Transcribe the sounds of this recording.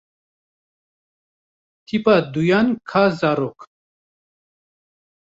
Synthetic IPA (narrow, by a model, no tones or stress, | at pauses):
t̪ʰipaːd̪ujaːnkʰaːzaːɾoːk